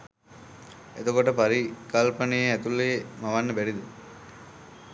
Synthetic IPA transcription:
ḛt̪okoʈəpaɾikalpanijeɛt̪ulːeemaʋanːəbɛɖid̪ə

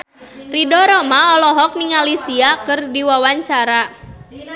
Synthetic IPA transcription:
ridɔɾɔmaɔlɔɦɔk̚niŋalisiakɨrdiwawaɲt͡ʃaɾa

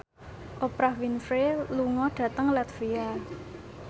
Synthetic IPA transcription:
ʔopɾahwinfɾeluŋɔɖ̥ä̤t̪əŋlɛt̪via

